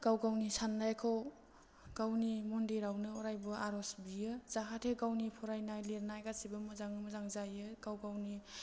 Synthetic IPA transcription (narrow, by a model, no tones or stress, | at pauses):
ɡ̥awɡawnisandajkʰɯw | ɡ̥awnimɔndiɾawnɯɔɾajbɯaɾɔsbijɯzaɦatʰeɡawnipʰɔɾajnajleɾnajɡasibɯmɯzaŋɯmɯzaŋzajɯɡawɡawni